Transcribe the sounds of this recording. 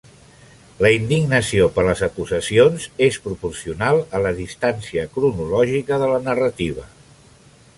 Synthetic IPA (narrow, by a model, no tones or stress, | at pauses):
ləind̪iɡnəsiopəɾləzəkuzəsionzespɾupursiunalˠələðist̪ansiəkɾunulɔʒikəðələnərət̪iβ̞ə